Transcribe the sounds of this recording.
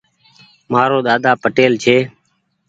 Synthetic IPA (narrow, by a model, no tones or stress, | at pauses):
maːɾoːɗ̪aːd̪aːpəʈeːlt͡ʃʰeː